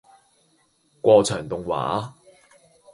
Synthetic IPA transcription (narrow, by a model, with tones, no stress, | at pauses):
kʷɔː˧t͡sʰœː˨˩ŋt̪ʊ˨ŋwa̰ː˨˦